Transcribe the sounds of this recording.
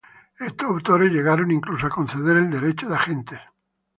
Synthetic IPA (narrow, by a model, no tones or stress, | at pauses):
e̞st̪osawt̪oɾezʎe̞ɣ̞aɾonĩŋklusoakõnθeðeɾeld̪e̞ɾet͡ʃoðaxent̪e